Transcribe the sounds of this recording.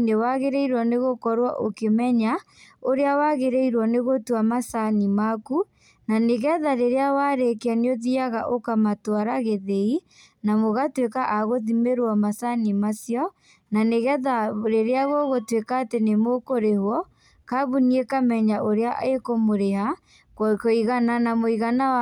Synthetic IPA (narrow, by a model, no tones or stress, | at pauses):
newaɣeɾeiɾwɔneɣokɔɾwaʔokemɛɲa | oɾeawaɣeɾeiɾwɔneɣotuamasanimaku | naneɣɛðaɾeɾeawaɾekeaneoðiaɣaʔokamatwaɾaɣeðei | namoɣatwekaʔaɣoðimeɾwamasanimasjɔ | naneɣɛðaɾeɾeaɣoɣotwekaːtenemokoɾehwɔ | kaβuniekamɛɲaʔoɾeaʔekomoɾeɦa | kkoiɣananamoiɣana